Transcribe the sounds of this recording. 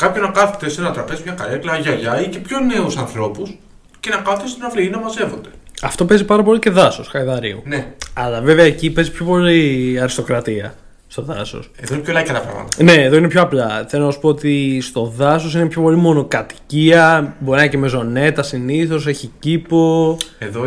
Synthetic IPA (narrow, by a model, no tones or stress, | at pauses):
kɐpçonɐkɐθot̪esinɐt̪ɾɐpe̞zi̥mçɐkɐleklɐʝɐʝɐicepço̞ne̞usɐnθɾo̞pus | ce̞nɐkɐθot̪est̪onɐfliinɐmɐze̞vo̞̰nd̪e̞ɐft̪o̞pe̞zipɐɾɐpo̞lice̞ðɐsosxɐiðɐɾḭṵneɐlɐve̞veɐecipe̞zipço̞po̞liɐɾist̪o̞kɾɐt̪iɐ̰ | st̪o̞ðɐ̰so̞̰seðoinepçolɐcɐt̪ɐpɾɐ̰ɣmɐ̰t̪ɐne̞ːðo̞inepçoɐplɐθelonɐsu̥po̞ot̪ist̪o̞ðɐso̞sinepço̞po̞limo̞no̞kɐt̪i̥ciɐbo̞ɾinɐiceme̞zo̞ne̞t̪ɐsiniθo̞s̬e̞çicipo̞eðo